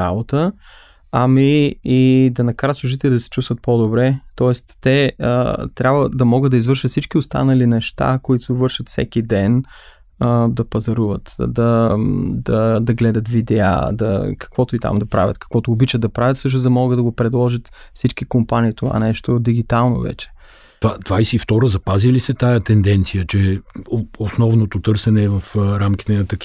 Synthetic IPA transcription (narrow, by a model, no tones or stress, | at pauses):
abot̪ə | ɐmiː | d̪ɐnɐkaɾət̪sˠʊʒit̪ɛlid̪ɐsɛ̥t͡ʃust̪vət̪̚pod̪obɾɛt̪ɔɛst̪ːɛ̰ | t̪ɾʲabvəd̪ɐmɔɡəd̪d̪ɐizvɤɾʃət̪fsit͡ʃkiost̪a̰nəlinɛʃt̪a̰koit̪ovɤɾʃət̪fsɛ̰kid̪ɛn | əd̪ɐpɐzɐɾuvət̪d̪ɐ | d̪ɐd̪ɐɡlɛd̪ɐt̪vid̪ɛa̰d̪ɐkɐ̥kvɔt̪ʊit̪a̰md̪ɐpɾa̰vʲjə̰t̪kɐ̥kvɔt̪ʊːbit͡ʃəd̪d̪ɐpɾavʲət̪sɤʃ̬nozd̪ɐmɔɡəd̪d̪ɐɡopɾɛd̪lˠɔʒət̪fsit͡ʃkikompaniːt̪ova̰nɛʃt̪od̪iɡ̟it̪alˠno̰vɛ̰t͡ʃɛ̥ | t̪vad̪vajsɛift̪ɔɾəzɐpazilisɛt̪ajət̪ɛnd̪ɛnt̪sijət͡ʃɛ | osnɔvnot̪ot̪ɤɾsɛnɛvɐfɾamkʲi̥t̪ɛnɐt̪ɐkʲ